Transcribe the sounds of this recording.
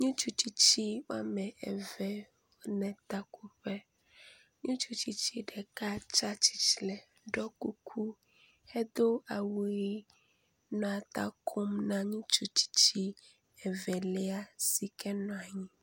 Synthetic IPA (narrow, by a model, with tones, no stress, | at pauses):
ɲũ˦t͡ʃu˦t͡ɕi˦t͡ɕi˦wa̰˦mɛ̃˨ɛ̰˨vɛ˨wo˦nɛ̃˨t̪a˦ku˦ɸɛ˦ | ɲũ˦t͡ʃu˦t͡ɕi˦t͡ɕi˦ɖɛ˨ka˦t͡ʃa˦t͡ɕi̥˦t͡ʃi˨lɛ˨ | ɖɔ˦ku˦kʰu˦ | hɛ˦d̪o˦a˨wo˨˦i˦ | nɔ̃˨a˨t̪a̰˦kʰo˦mnã˦ɲũ˦t͡ʃu˦t͡ɕi̥˦t͡ɕi˦ | ɛ˨vɛ˨lɛ˦a˦si˨kɛ˦nɔ̃˨a˨ɲĩ˦